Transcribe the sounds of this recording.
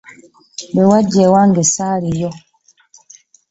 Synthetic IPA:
bɛwad͡ʒɛwaŋɡɛsaɾijɔ

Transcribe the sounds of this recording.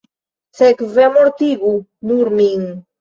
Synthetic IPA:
sekvemoɾt̪iɡunuɾmiŋ

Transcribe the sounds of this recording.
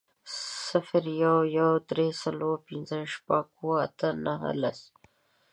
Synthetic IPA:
sɪfɾjawjawd̪ɾesaloɾpɪnzəʃpaɡuwaat̪ənaɦə̰la̰s

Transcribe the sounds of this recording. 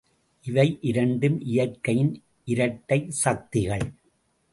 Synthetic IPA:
ʔɪʋɐɪʔɪɾɐɳɖɯmʔɪjɐɾkːɐjɪn | ʔɪɾɐʈːɐɪsɐk̚t̪ɪɣɐɭ

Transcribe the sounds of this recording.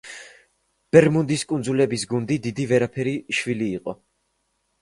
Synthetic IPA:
b̥ɛɾmund̪iskʼund̪zulɛbisɡund̪id̪id̪ivɛɾapʰɛɾiʃviliːqʼɔ

